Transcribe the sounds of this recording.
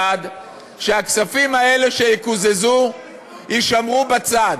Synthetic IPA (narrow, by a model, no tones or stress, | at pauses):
ad̪ | ʃeaksafimae̞le̞ʃe̞jikuzezu | hiʃamʁubat͡sad